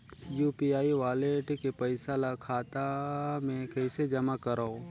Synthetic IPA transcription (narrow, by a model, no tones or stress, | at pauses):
juːpiaːiʋaːleʈkepɐɪsalakʰaːt̪amẽkɐɪsed͡ʒɐmakɐɾao